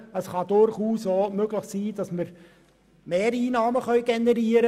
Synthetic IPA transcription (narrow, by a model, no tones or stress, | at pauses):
əsχɑd̥ʊɾχuːsomøɡləχsiːd̥ɑsməɾ | meːɾiːnɑːməχœʏɡ̥ɛnəɾiəɾə